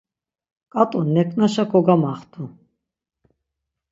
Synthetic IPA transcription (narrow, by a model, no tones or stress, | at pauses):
kʼat̪ʼunːɛkʼnaʃakʰɔɡamaχt̪ʰu